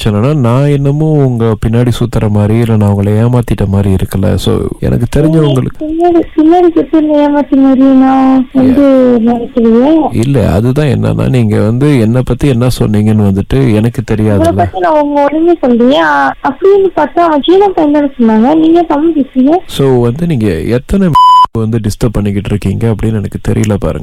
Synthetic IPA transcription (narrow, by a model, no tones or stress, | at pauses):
sɔnːɐnːaːnãːɛnːɐmːʊ̃ʊŋɡɐpɪnːaːɽisuːt̪ːɐɾɐmaːd̪ɾiɪlːɐnãːʊŋɡɐɭɐjeːmaːt̪ɪʈːɐmaːd̪ɾiɪɾɯkːɐlɐ̰so̰ːɛ̰nʔɐ̰kːɯt̪ɛɾɪɲɲd͡ʒɐʊŋɡɐɭɯ̰kːpɪnːaːɽipɪnːaːɽisʊt̪ːɪɾɯnd̪ɐeːmaːt̪ːimaːd̪ɾinãːʋɐnd̪ɯnɛɳɐkːɪʋɐðjẽɪlːɐ̰ɐ̰ðɯt̪ãːɛ̰nːɐ̰nːa̰ːniːŋɡɐʋɐnd̪ɯɛnːɐpɐt̪ːiɛnːɐsɔnːiːŋɡɐnːɯʋɐnd̪ɯʈːɯɛnɐkːɯt̪ɛɾɪjaːŋɡɐɭɐlɐːt̪ːinãːʊŋɡɐɔɽɯɲesɔlɖɪŋẽɐpːɐɽɪʋɐnd̪ɯpaːɾt̪ãːʋɐ̃t͡ʃiːnãːpɐjɐnd̪ɐnɯsɔnːaːŋɡɐniːŋɡɐsɐmːɐd͡ʒɪsːɪŋɡɐ̃soːʋɐnd̪ɯniːŋɡɐɛt̪ːɐnɛmeːkːɯʋɐnd̪ɯɖɪsʈɐp̚pːɐɳːɪkːɪʈːɪɾɯkːiːŋɡɐːp̬ːɐɽɪnːɛnɐkːɯt̪ɛɾɪ̰jɐlɐpa̰ːɾɯ̰ŋɡɐɐ